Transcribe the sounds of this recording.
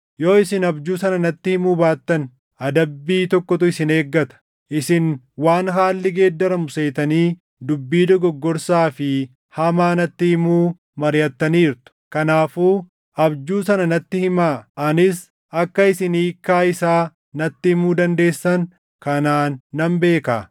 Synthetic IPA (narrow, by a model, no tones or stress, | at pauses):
jo̞ːɪsɪnɐbd͡ʒuːsɐnɐnɐt̪ːɪhɪmuːbaːt̪ːɐn | ʔɐd̪ɐbːiːt̪ɔkːɔt̪ʊɪsɪne̞ːɡːɐt̪ɐ̥ | ʔɪsɪn | waːnɦaːlːɪɡe̞ːd̪ːɐɾɐmʊse̞ːt̪ɐniː | d̪ʊbːiːd̪ɔɡɔɡːɔɾsaːfɪ | hɐmaːnɐt̪ːɪhɪmuː | mɐɾjɐt̪ːɐniːɾt̪ʊ̥kɐnaːfuː | ʔɐbd͡ʒuːsɐnɐnɐt̪ːɪhɪmaːʔɐnɪs | ɐkːɐɪsɪniːkːaːɪsaː | nɐt̪ːɪhɪmuːd̪ɐnd̪e̞ːsːɐn | kɐnaːnːɐmbe̞ːka̰ː